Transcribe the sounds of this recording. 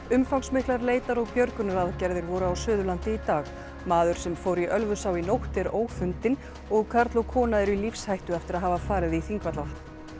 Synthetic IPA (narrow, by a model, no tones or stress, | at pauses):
ʏmfawŋsmɪhklaɾleːjt̪aɾɔɣpjœɾkʏnɾaðcɛɾðɪɾvɔɾʏawsʏːðʏlant̪ɪit̪aːɣ | maːðʏɾ̥sɛmfoːwɾiʔœlvʏsawinowht̪ɛɾoːwfʏnt̪ɪn | ɔɣkʰaɾt̪lɔɣkʰɔːnaɛɾʏilifshajht̪ʏɛft̪ɪɾaðɦaːvafaːɾɪðiθiŋkvat̪la